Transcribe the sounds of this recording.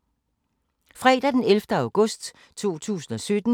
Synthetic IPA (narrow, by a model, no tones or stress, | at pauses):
fʁɛːd̥æd̥enelfd̥əɑ̈ʊɡ̥ɔ̽sd̥ | t͡sʰo̝̰ːt͡sʰṵːsn̩ɒ̽sød̥n̩